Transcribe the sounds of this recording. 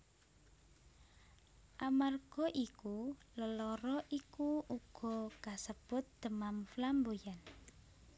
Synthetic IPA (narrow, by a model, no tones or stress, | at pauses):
ʔamarɡ̥ɔ̤ʔikuləlɔɾɔʔikuʔuɡ̥ɔ̤kasəb̥ʊt̪̚d̪̥ə̤mamflambojan